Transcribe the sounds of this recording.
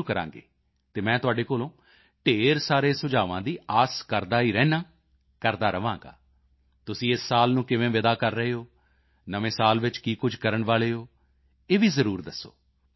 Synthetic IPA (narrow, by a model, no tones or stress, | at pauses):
uːkəɾã̰ːŋɡḛː | t̪eːmɛ̃ːt̪ʊaːɖeːkoːlõː | ʈeːɾsaːɾeːsʊd͡ʒaːʋãːd̪iːaːskəɾd̪aːiːɾɛ̃ːnãː | kəɾd̪aːɾəʋãːŋɡa̰ː | t̪ʊsĩːɪsːaːlnũːkɪʋẽːʋɪd̪aːkəɾːəɦeːɦoː | nəʋẽːsaːlʋɪt͡ʃkiːkʊd͡ʒʱkəɾəɳʋaːleːɦoː | eːʋiːzəɾuːɾd̪əsːo̰ː